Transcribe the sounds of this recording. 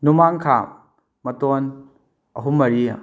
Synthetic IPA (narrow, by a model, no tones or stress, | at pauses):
numaŋkʰa | mɐton | ɐɦumːɐɾi